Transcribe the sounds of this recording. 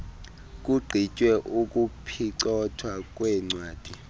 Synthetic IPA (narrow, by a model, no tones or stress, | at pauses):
k̬ʼuɡ͡ǀʱit͡ʃʼwɛʔukʼupʰiǀɔtʰwak̬ʼwɛŋ͡ǀwaːd̥ʱʼi